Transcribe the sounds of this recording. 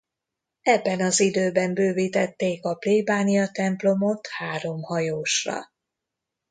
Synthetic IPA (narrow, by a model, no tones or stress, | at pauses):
ɛbːɛnɒzid̪øːbɛmbøːviːt̪ɛt̪ːeːkɒpleːbaːnijɒt̪ɛmplo̞mo̞t̪haːɾo̞mhɒjoːʃrɒ̰